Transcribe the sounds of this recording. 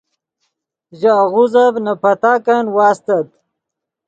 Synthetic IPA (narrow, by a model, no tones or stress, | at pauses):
ʑaɣuzavnɐpɐt̪aːkanwaːst̪ɐt̪